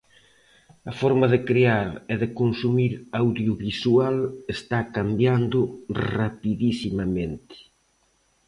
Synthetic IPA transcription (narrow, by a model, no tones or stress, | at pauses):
ɐfɔɾmɐðɪkɾeaɾɛðɪkonsumiɾawðjoβisualest̪akambjand̪ʊrapiðisimɐment̪ɪ̥